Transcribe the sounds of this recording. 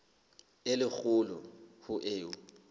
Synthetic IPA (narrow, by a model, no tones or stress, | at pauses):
ɪlɪk͡xʊlɔhʊʔeːʊ